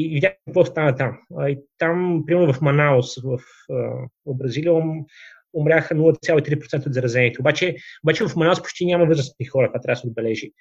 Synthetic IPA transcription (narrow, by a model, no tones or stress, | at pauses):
ivid̪ʲakɐkvɔst̪anət̪amit̪ampɾimɛɾnʊvɐfmɐnaosvɐf | əobɾɐzilijə | omɾʲaxənulˠət̪ət̪sʲalˠoit̪ɾipɾot̪ɛnt̪od̪zɐɾɐzɛniɛt̪ɛobat͡ʃɛobat͡ʃɛvɐfmɐnaospoʊ̥t͡ʃʲt̪ʲinʲamɐvɤzɾəst̪ixɔɾək̪vat̪ɾʲabəsɛd̪bɛlɛʒi